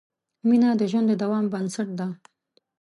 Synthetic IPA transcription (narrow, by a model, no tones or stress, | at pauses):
minad̪əʒwand̪ːəd̪awɑmbənsaʈ̚d̪a